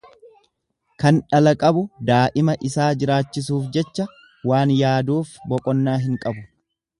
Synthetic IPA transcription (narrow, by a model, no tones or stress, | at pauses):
kɐnᶑɐlɐkʼɐbʊd̪aːʔɪmɐʔɪsaːd͡ʒɪɾaːt͡ʃːɪs̬uːfd͡ʒɛt͡ʃːɐ | waːnjaːd̪uːfbɔkʼɔnːaːɦɪŋkʼɐbʊ